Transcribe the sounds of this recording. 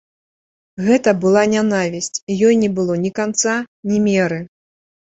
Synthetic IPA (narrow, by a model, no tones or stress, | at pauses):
ɣɛt̪ɐbɨlˠanʲanavʲisʲt͡sʲijɔjnʲɛbɨlˠɔnʲikant̪sanʲimʲɛɾɨ